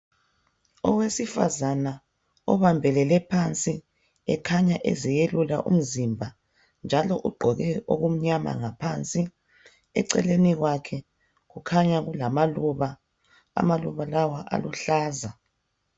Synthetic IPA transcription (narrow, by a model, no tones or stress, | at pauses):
ɔwesifa̰zana | ɔβambʱɛlɛlɛpʰant͡sʼi | ɛkʰaɲaʔḛzijelula̰ʔṵm̩zimbʱa | nd͡ʒʱalɔʔuɡ͡ǃʱɔɣɛo̰ɣum̩ɲama̰ŋapʰant͡sʼi | ɛ̰ǀɛ̰leniɣwakʰɛ | ɣukʰaɲaɣulamaluβa | a̰maluβalawaʔa̰luɬaːza